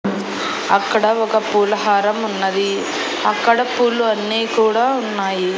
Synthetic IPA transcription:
ɐkːɐɽɐɔkɐpuːlɐɦaːɾɐmunːɐd̪i | ɐkːɐɽɐpuːlːuɐnːiːkuːɽaːunːaːji

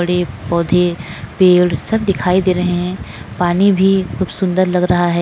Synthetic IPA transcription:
ɐɽepɔːd̪ʱepeːɽsɐb̚d̪ɪkʰaːid̪eːɾɐɦẽɦɛ̃ | paːnibʱixʊbsʊ̃nd̪əɾlɐɡɾɐɦaɦɛː

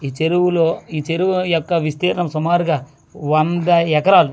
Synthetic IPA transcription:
iːt͡ʃeɾuʋuloːiːt͡ʃeɾuʋujɔkːɐʋist̪iːɾɐɳɐmsɐmaːɾuɡaː | ʋɐnd̪ɐɛkɐɾaːlu

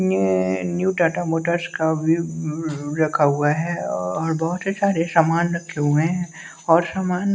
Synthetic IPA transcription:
enjuːɖaːʈamoːʈəɾskabʱi | ɾɐkʰaɦʊaɦɛɔːɾbɔɦʊt̪ɦisaːɾesamaːnɾɐkʰeɦuẽɦɛ̃ | ɔːɾsaːmaːn

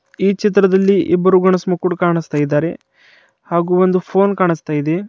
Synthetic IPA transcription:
iːt͡ʃit̪̬ɾɐd̪ɐlːiʔḭbːɐɾuɡɐɳɐsmɐkːuɽkaːɳist̪aːjid̪ːaːɾe̞ | haːɡuːond̪upʰoːnkaːɳist̪aːjid̪e

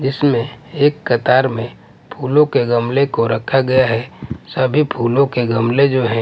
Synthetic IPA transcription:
d͡ʒɪsmẽeːkːɐt̪aːɾmẽ | pʰuːlõkeɡɐmlekoɾɐkʰaɡɐjaɦɛsɐbʱipʰuːlõkeɡɐmled͡ʒoːɦɛ̃

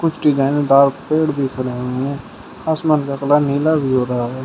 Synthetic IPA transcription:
kʊt͡ʃʰɖɪzaːɪnɖaːɾkpeːɽbʱikʰəɾẽĩɛ̃ː | asmənkaklaniːlabʱiɦoːɾaɦaɦɛː

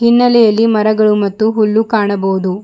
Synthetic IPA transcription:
hinːɐlɛjɐlːimɐɾɐɡɐɭumɐt̪ːuɦulːukaːɳɐboːud̪u

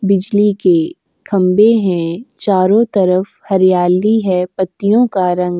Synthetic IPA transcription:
bɪd͡ʒlike | kʰɐ̃mbeɦɛ̃t͡ʃaːɾõt̪ɐɾəf | hɐɾijaːliɦɛpɐt̪ːijõkaɾɐ̃ŋɡ

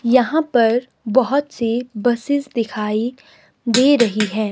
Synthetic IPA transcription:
jɐɦãpɐɾ | bɐɦʊt̪sebɐsɪzd̪ɪkʰaːi | d̪eːɾɐɦiɦɛː

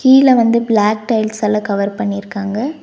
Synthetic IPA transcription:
kiːlɐʋɐnd̪ɯbɭaːk̚ʈɐɪlsɐːlɐkɐʋɐɾpɐɳːɪɾɯkːaːŋɡɐ

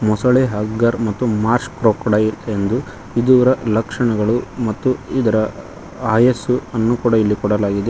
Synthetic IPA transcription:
mɔsɐɭeɦɐɡːɐɾmɐt̪ːumaːɾʃkɾoːkɔɽɐjiend̪u | id̪uʋɐɾɐlɐkʂɐɳɐɡɐɭumɐt̪ːuid̪ɐɾɐ | aːjesuɐnːuːkuːɽailːikɔɽɐlaːɡid̪e

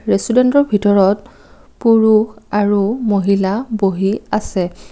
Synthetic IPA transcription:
ɹesudentɔɹbʱitɔɹɔt | puɹuxaɹumoɦilaboɦiasɛ

